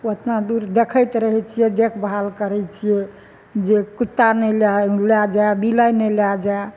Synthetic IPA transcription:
ət̪nad̪uɾd̪ekʰəjt̪ɾəɦɛt͡ʃʰijɛd̪ekʰbɦalkəɾɛt͡ʃʰijɛ | d͡ʒekut̪ːanɛllad͡ʒaebilajnɛlad͡ʒae

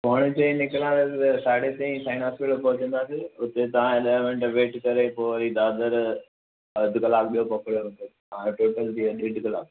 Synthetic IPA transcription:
poɽ̃ɪtẽnɪklãt̪ɐssaːɽet̪ẽĩsaːɪnaːspɪʈpɐɦʊt͡ɕə̃nd̪aːseʊt̪et̪ɐʋ̤ãɪɗɐʋẽɳʈʋeːʈkɐɾepoːɾid̪aːd̪əɾ | ɐd̪kɐlaːbɓijopɐkɽijot̪eɐãʈoːʈəld̪iɐd̪ʋɪɖkɐla̰ːb

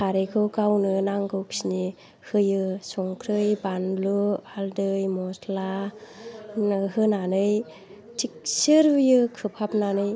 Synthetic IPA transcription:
kʰaɾekʰɯwkawnɯnaŋɡɯwksini | hɯjɯsɔŋkʰɾɯjbanlualdɯjmɔsla | hɯnanɯj | tʰik̚sɯɾujɯkʰɯpʰap̚nanɯj

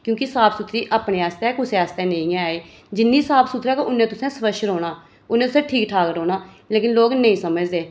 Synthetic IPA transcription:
kjõːkɪsaːpsut̪ʰɾiːʔaːpneːaːst̪ɛ̃ːkʊseaːst̪ɛ̃ːneĩːeː | d͡ʒɪnːiːsaːpsuːt̪ʰɾɛːkoʊnːẽːt̪ʊsɛ̃ːspəʃɾoːnaː | ʊnːeːt̪ʊsɛ̃ːʈʰiːkʈʰaːkəɾoːnaː | leːkɪnloːɡnəĩːsəməd͡ʒd̪eː

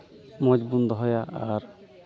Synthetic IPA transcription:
mɔd͡ʒbund̪ɔɦɔjaaɾ

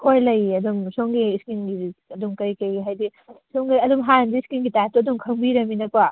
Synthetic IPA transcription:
kʰojlɐjɐdumsoŋɡiːskinɡiɐdumkɐjkɐjiɦajdi | soŋɡiɐdumɦanndiskinɡitastuɐdumkʰɐŋbiɾɐminɐpɐ

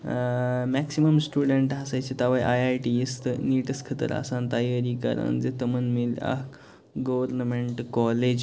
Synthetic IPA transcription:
mɛksiməmsʈuɽəɳʈɦasajt͡ɕet̪aʋajʔajajʈiest̪niʈəskʰət̪ə̰ɾa̰sãnt̪ajəɾikə̰ɾə̰nd͡zet̪əmənmila̰ɦ | ɡəʋəɾnəmeɳʈkɔled͡ʑ

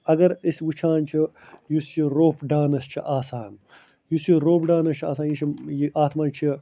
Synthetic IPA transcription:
ɐɡɐɾisʋut͡ʃʰaːnt͡ʃʰi | jusjiɾoːpɖaːnɐst͡ʃʰiʔaːsaːn | jusiɾoːpɖaːnɐst͡ʃʰiaːsaːnjit͡ʃʰijiʔaːt̪ʰmaːnt͡ʃʰi

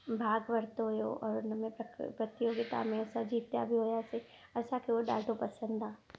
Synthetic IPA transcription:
bʱaːɡʋɐɾt̪oɦojo̰ʔɔːɾʊnəmẽpɾpɾɐt̪ːijoɡit̪a̰mẽɐsad͡ʒiːt̪ja̰bʱiɦoːjaseɐsakeoɖa̰ːɖopɐsə̃nd̪ʱãː

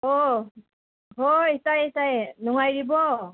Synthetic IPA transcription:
ɔ | ɦoisajisajnɔŋajɾibɔ

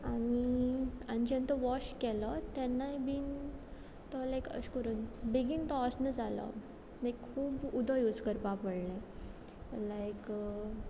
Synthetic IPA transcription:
amiañid͡ʑɛ̃nt̪əʋɔɕkɛlɔt̪ɛnːajbiːn | t̪ɔlajkə̰ɕkəɾənbeɡiːnt̪ɔsnəd͡zalɔ̰ | lajkʰːuːbud̪ʱɔ̃jud͡zkəɾpapəɽlẽ | lajk

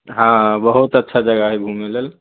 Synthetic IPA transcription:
ɦãbəɦut̪ətːʃʰad͡ʒəɡaɦebʱumelel

